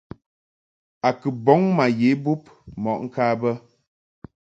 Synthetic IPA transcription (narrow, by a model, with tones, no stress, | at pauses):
a˨kɨ˨bɔ˨˦ŋma˨je˨˦bu˦p̚ | mɔ˨ʔŋ̩˦kaː˦bə˦